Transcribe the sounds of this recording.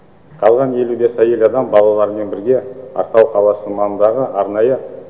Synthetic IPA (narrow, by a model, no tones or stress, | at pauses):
qʰɑlˠʁɑne̞lube̞sæje̞lɑd̪ɑmbɑlˠɑlˠɑɾəme̞nbɪɾɡʲe̞ɑ̰ɾt̪ɑwqʰɑlˠɑsəmɑnənd̪ɑʁəʔɑɾnɑjə